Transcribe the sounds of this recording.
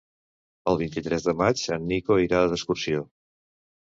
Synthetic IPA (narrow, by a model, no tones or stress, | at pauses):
əlˠβint̪it̪ɾɛzðəmat͡ʃsanːikoiɾaəðəskursio